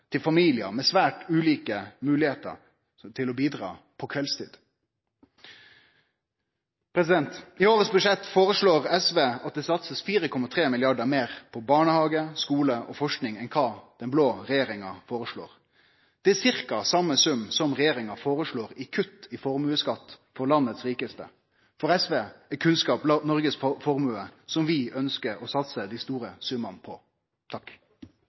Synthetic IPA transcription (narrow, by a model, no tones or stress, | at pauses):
t̪ʰɪlfɑmiːlɪə̰mɛsʋæːʈʉːliːkəmʉːlɪheːt̪ə̰ɾ | t̪ʰɪlɔbiːd̪ʁɑ̰ː | pʰɔkʰʋɛlst̪ʰḭːd̪̥ | pʰɾɛs̬ɪd̪ɛnt̪ɪoːɾət̪sbʉʂɛt̪ːfoːʁəʂɭoːʁɛsʋeːɑt̪̚d̪ɛːsɑt̪səsfiːɾəkʰɔmːɑt̪ʰʁeːmɪlɪɑɖəɾmeːʁpʰɔbɑːɳəhɑːɡəskuːləʔɔfɔʂknɪŋɛnkʰɑːd̪̥ɛnbloːɾɛjeːɾɪŋɑfoːɾəʂɭo̰ːɾ | d̪̥ɛæsɪʁkɑsɑmːəsʉmːsɔmʁɛjeːɾɪŋɑfoːɾəʂɭoːɾɪkʰʉt̪ːɪfɔʁmʉːəskɑt̪ːfɔɾlɑnːət̪sʁiːkəst̪ə̰ | fɔɾɛsʋeːɛkʰʉnskɑːplɑnɔɾɡəsfɔɾmʉːəsɔmʋɪœnskəɾɔsɑt̪səd̪ɪst̪uːɾəsʉmɑnpʰɔ | t̪ʰɑk